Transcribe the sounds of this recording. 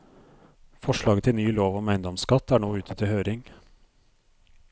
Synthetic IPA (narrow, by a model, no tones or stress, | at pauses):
fɔʃɭɑːɡət̪ʰɪlnyːloːʋɔmæɪnd̪ɔmskɑt̪æːɳoːʉːt̪ʰət̪ʰɪlhøːɾɪŋ